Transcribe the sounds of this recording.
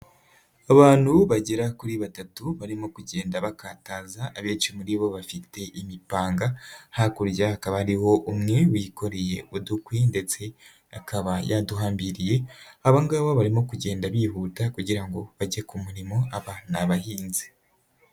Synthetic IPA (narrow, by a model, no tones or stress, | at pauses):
aβaːn̥huβaɟeɾakuɾiβatatuβaɾimo̞kuɟe̞ːndaβakaːtazaːβeːt͡ʃumuɾiβo̞βafite̞ʔimipaːŋɡahakuɾjahakaβaɾiho̞ʔumŋe̞wiːko̞ɾeje̞udukwinde̞t͡se̞ | akaβajaduɦaːmbiɾije̞aβaŋɡaβoβaɾimo̞kuɟe̞ːndaβihutakuɟiɾaŋɡo̞βaɟekumuɾimo̞aβanaβahiːnzi̥